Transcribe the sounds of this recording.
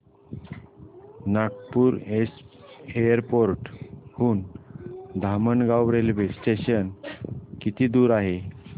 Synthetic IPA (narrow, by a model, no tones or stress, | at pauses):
nak̚puːɾesejəɾpoɾʈhuːn | d̪ʱaməɳɡawɾelʋesʈeɕənkit̪ʰiːd̪uːɾaɦe